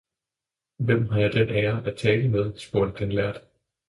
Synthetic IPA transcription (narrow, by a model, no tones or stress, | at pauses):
ʋem̰ɦɑ̈jɑ̈ɪd̥enæːɐʔæt͡sʰɛːləmeð̞ˠsb̥ɔɐdd̥enlæɐ̰d̥